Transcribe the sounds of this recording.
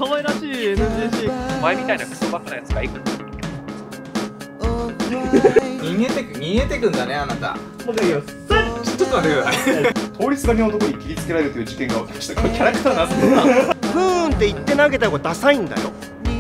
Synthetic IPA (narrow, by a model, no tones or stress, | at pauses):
kamaiɾaɕiːenɯeːɕiːomaemʲit̪ainakɯ̥soːbak̪ːanajat͡sɨɡaikɯ | ɲʲiŋɡet̪ekɯɲ̟ʲiŋɡet̪e̞kɯ̃nd̪aneanat̪a̰ | soːd̪eo | t͡ɕːot̪ːoaɾɯ | t̪ʰo̞ːɾʲit͡sɨɡaɲʲiaot̪o̞ko̞ɲ̟ikʲiɾʲit͡sɨ̥ke̞ɾaɾeɾɯ̟t̪ojɯ̟ːd͡ʑikẽ̞ŋɡaβat̪ḁɕi̥t̪okokʲaɾakɯ̟t̪aːnasɨobɯ̟̃nt̪ːe̞it̪ːe̞naɡe̞t̪akod̪asaĩnd̪a̰jo̞̰